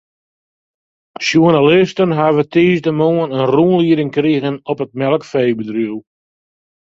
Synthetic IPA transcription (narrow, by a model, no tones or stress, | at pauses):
ʃuənalɪstənɦavətʰiːstəmoːənənruənliəɾɪŋkriɣənɔpət̚mɛlˠəkfejbədryw